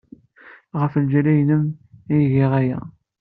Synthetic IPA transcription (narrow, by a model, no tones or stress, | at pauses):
ʁəfəld͡ʒælæjnəmijʝiʁæjæ̰